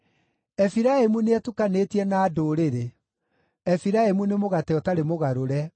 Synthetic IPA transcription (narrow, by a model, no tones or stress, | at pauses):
ɛfiɾaemuneɛtukanetiɛnaːdoɾeɾe | ɛfiɾaemunemoɣatɛɔtaɾemoɣaɾoɾɛ